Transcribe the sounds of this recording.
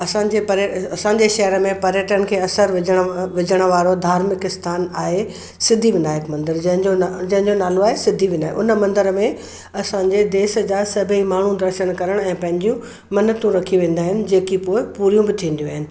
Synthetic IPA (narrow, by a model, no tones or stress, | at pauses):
ɐsãːɲd͡ʑepɐɾɐsãːɲd͡ʑeʃɐɦɾəmẽpɐɾjəʈənɪ̆kʰeːɐsəɾʋɪd͡ʑʱəɽ̃ʋɪd͡ʑʱəɽ̃ə̆ʋaːɾod̪ʱaːɾmɪkɪst̪ʰaːnaːɦe | sɪd̪ʱiʋɪnaːɪkmɐ̃nd̪əɾd͡ʑɐ̃ɦɪ̃ɲd͡ʑod͡ʑɐ̃ɦɪ̃ɲd͡ʑonaːloaːɦesɪd̪ʱiʋɪnaːɪʔʊnəmɐ̃nd̪əɾmẽ | ɐsãːɲd͡ʑed̪eːsə̆d͡ʑaːsɐbʱimaːɳ̤ũd̪ɐɾʃəɽ̃kɐɾəɽ̃ɛ̃ːpɐ̃ɦɪ̃ɲd͡ʑijũ | mɐnət̪ũɾɐkʰiʋẽːn̆d̪aːɦɪnɪ̆d͡ʑeːkipoːɪpuːɾijũbɪt̪ʰĩːnd̪jũaːɦɪnɪ̆